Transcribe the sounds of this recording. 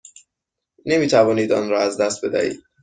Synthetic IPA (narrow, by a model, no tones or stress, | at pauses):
ne̞miːt̪ʰævɒːniːd̪ɒːnɾɒːæzd̪æst̪̚be̞d̪æ̰ḭːd̪̥̚